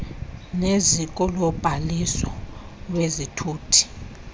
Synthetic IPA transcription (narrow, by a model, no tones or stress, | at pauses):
nezikʼɔlɔb̥ʱalisɔ | wezitʰuːtʰi̥